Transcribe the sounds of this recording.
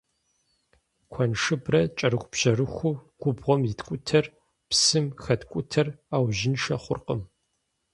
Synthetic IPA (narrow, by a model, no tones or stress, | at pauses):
kʷʰɔnʂɨbrɐt͡ʃʼɐɾɨxʷpʑɐrɨxʷuɡ̥ʷʊbʁʷɔmjɪtkʷʼʊtʰɐr | psɨmxɐtkʷʼʊtʰɐraːwʒɪnʂɐχʷʊ̰rqəm